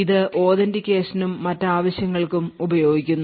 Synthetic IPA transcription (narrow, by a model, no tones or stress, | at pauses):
iðɨʔo̞ːðɐndikʲːe̞ːsinumːɐtːaːʋɐɕjɐŋːɐɭkumubɐjo̞ːɡikʲːunː